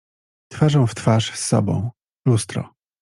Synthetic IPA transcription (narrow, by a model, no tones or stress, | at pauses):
t̪faʐɔ̃w̃ft̪faʂsːɔ̰bɔ̰̃w̃ | lust̪ɾɔ̰